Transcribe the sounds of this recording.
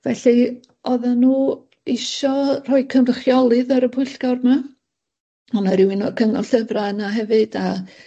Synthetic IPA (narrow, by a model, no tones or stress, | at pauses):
vɛɬi | ɔðanːuː | ɪʃɔr̥ɔɨkʰəmrəχjɔlˠɨðəɾəpʰʊɨɬɡ̥awrma | ɔnaɾɪwɪnɔkʰəŋɔɬəvranaɦɛvɨd̥a